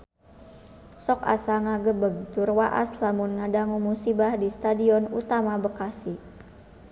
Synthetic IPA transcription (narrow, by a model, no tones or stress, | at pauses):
sɔka̰saŋaɡəbəɡ̚t̪ʊrwaʔa̰slamunŋadaŋumusibahdist̪adiɔnut̪amabəkasi